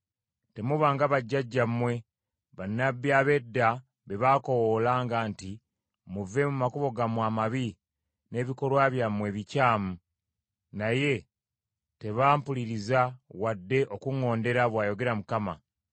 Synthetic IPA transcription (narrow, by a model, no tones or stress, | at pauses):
te̞muβaːŋɡaβaɟːaɟːammwe̞ | βanːabjaːβe̞dːa | βe̞βaːko̞wolaːŋɡaːnti | muve̞mumakuβo̞ɡamwaːmaβi | ne̞ːβiko̞ɾwaβjamwe̞βicaːmu | naje̞ | te̞βaːmpuliɾizawadːe̞ʔo̞kuŋo̞ːnde̞ɾaβwaːjo̞ɡe̞ɾamukama